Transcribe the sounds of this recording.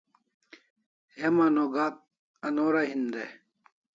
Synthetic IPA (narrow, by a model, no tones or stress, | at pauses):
hemanoːɡaːt̪̚ | ɐnoːɾaɦind̪e